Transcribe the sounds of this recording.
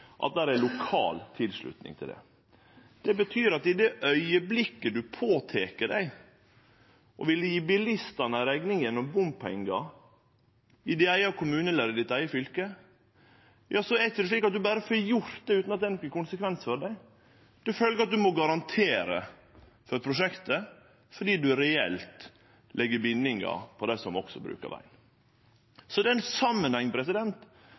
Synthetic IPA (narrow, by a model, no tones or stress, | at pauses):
ʔɑ̰t̪̚d̪æːɾælʊkʰɑ̰ːlt̪ʰɪlʂɭʉ̰t̪nɪ̰ŋt̪ʰɪ̰ld̪ɛ̰ | d̪̥ɛbət̪ʰyːɾɑt̪ɪd̪ɛʔœʏəblɪkːəd̪ʉpʰoːt̪ʰeːkəɖæɪ | ʔɔ̰ʋɪlːəjiːbɪlɪst̪ɑnəɾæɡnɪŋjɛnːɔmbʊmpʰɛ̰ŋɡɑ | ɪd̪ɛæɪɑkʰʊmʉːnəɛləɾɪd̪ɪt̪æɪəfʏlkə | jɑːsɔɛtd̪ɛʂɭiːkːɑt̪̚d̪ʉbæːɾəføjʊɾt̪d̪ɛʉːt̪nɑt̪̚d̪ɛnɔkːəkʊnsəkʰʋɛnsfɔɖæɪ | d̪̥ɛføːləɡəɑt̪̚d̪ʉmɔɡɑɾɑnt̪ʰeːɾə̰ | fɔɾpʰɾʊʂɛkt̪ə | fɔɖiːd̪ʉɾɛɛ̰lt̪ | lʔɛɡːəbɪnːɪŋɑ̰pʰɔd̪æsɔmɔ̰ksɔbɾʉ̰ːkə̰ʋæ̰ɪn | sɔd̪ɛɛnsɑmːənhɛŋpʰɾɛsɪd̪ɛnt̪